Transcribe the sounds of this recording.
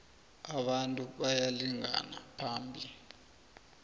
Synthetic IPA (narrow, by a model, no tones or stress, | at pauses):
aɓantʼuɓajaliŋa̰na̰pʰaːmbʱi